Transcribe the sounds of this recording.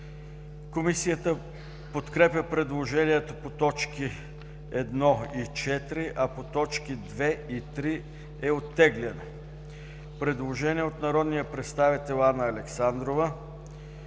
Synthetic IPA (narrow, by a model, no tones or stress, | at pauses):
komisijət̪ə | pot̪kɾɛpjʲəpɾɛd̪lˠoʒɛniɛt̪opot̪ɔt͡ʃki | ɛd̪nɔit͡ʃɛt̪ɾiʔɐpot̪ɔt͡ʃkid̪vɛit̪ɾi | ɛot̪ːɛɡlɛno | pɾɛd̪lˠoʒɛniɛot̪nɐɾɔd̪nijəpɾɛt̪st̪avit̪ɛlˠanəːlɛksand̪ɾovə